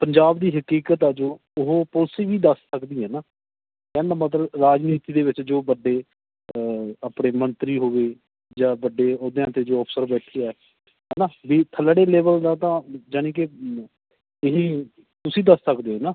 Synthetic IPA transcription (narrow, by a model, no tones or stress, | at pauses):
pəɲd͡ʒaːbd̪iːɦəkiːkət̪ɛːd͡ʒoː | ʊɦoːpʊlsiːʋiːd̪əssəkd̪iːɦɛːnaː | kɛ̃ːnd̪ãːmət̪ləbɾaːd͡ʒniːt̪iːd̪eːʋɪt͡ʃd͡ʒoːbəɖːeː | aːpɽeːmənt̪ɾiːɦoːʋeː | d͡ʒãːbəɖeːoːd̪eãːt̪eːd͡ʒoːɔːpʰsəɾbɛːʈʰejaːɛː | ɦɛːnaːʋiːt̪ʰələɽeːleːbəld̪ãːt̪ãːd͡ʒaːnĩːk̬ɪ | ɪɦiː | t̪ʊsiːd̪əssəkd̪eːɦɛnaː